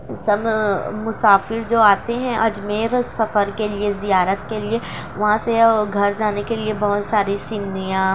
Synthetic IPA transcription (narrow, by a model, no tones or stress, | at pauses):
sɐbmʊsaːfɪɾd͡ʒoːaːt̪eɦɛ̃ʔɐd͡ʒmeːɾsɐfəɾkeliezijaːɾət̪kelie | ʋɐɦãseɡʱɐɾd͡ʒaːnekeliebɐɦʊt̪saːɾisɪnd̪ijã